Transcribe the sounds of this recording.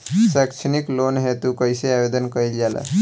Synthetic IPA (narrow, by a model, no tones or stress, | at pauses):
sakʃʰəniklonɦet̪ukəjseaʋed̪ənkəild͡ʒala̰